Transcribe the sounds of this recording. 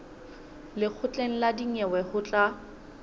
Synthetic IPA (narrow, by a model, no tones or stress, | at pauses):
lɪk͡xʰʊt͡ɬʼeŋ̩ladiŋɛwɛhʊt͡ɬʼa